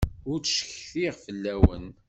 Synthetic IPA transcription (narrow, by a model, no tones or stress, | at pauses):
ʊɾt͡sʃçθiʁfəlːæwə̰n